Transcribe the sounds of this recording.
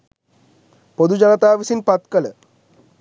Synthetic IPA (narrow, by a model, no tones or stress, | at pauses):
pod̪ud͡ʒɐnɐt̪aːʋisinpɐt̪kɐlə